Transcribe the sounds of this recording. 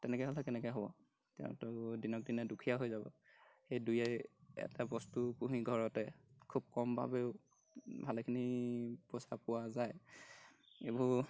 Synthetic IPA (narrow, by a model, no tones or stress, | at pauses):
tɛnɛkɔɦolɛkɛnɛkɛjɦɔbɔ | tɛ̰ʊ̃tʊdinɔk̚dinɛdukʰijaɦojzabɔ̰ | xejdujajɛ̰tabɔstupuɦiɡʱɔɹɔtɛkʰub̚kɔmbʱa̰beʊ | bʱalɛkʰiniposapʊwazaj | ebu